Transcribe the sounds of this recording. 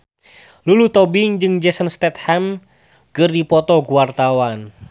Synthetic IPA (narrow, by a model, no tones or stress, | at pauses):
lulut̪ɔbiŋd͡ʒɨŋd͡ʒɛsənst̪ɛt̪hɛm | kɨrdipɔt̪ɔɡuwart̪awan